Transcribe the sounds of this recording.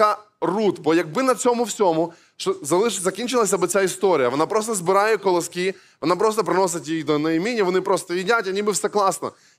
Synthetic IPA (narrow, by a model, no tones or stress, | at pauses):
ɐ | rut̪bɔjɐɡ̚bɪnɐt͡sʲɔmʊwsʲɔmʊ | ʃɔzɐlˠɪzɐkʲinʲt͡ʃɪlˠɐsʲɐbɪt͡sʲaist̪ɔɾʲijɐʋɔnapɾɔs̬t̪ɔzbɪɾɑjɛkɔlˠɐskʲi | ʋɔnapɾɔst̪ɔpɾɪnɔsɪtʲjijd̪ɔnɐjimʲinʲiʋɔnɪpɾɔst̪ɔjidʲatʲɐnʲibɨfsɛklˠɑsnɔ̰